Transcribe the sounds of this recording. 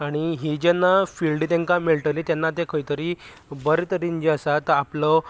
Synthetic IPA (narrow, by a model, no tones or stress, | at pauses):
aɽ̃iɦid͡ʑɛnːafilɖt̪ẽŋkamiɭʈəlit̪janːat̪ekʰəjt̪əɾiː | bəɾit̪əɾiɲd͡ʑasat̪əaplɔ